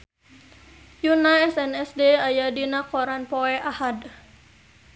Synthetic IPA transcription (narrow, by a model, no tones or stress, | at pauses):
junaɛsɛnɛsdeajadinakɔɾanpɔɛʔahad